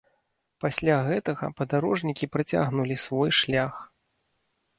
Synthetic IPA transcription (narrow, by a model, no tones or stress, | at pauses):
pasʲlʲaɣɛt̪ɐɣɐ̰pɐd̪aɾɔʐnʲikʲipɾɨt͡sʲa̰ɣnulʲisvɔjʂlʲax